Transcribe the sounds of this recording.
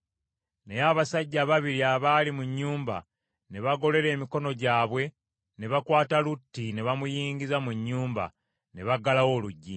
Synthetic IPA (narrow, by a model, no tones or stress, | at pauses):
nejaβasaɟːaβaβiɾiaβalimuɲːuːmba̰ | ne̞βaɡo̞le̞ɾe̞ːmiko̞no̞ɟaːβwe̞ | ne̞βakwaːtalutːine̞βamujiːɲɟizamuɲːuːmba̰ | ne̞βaɡalawo̞ːluɟːi